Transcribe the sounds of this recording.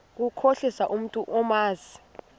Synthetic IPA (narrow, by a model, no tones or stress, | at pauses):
k̬ukʰoɬisaʔum̩tʼuʔɔmaːzi